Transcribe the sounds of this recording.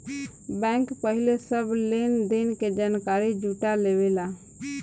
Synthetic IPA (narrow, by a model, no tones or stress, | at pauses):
bɛ̃ːŋkpəɦɪlesəbleːnd̪ɪnked͡ʒaːnkaːɾid͡ʒuːʈaleːʋelaː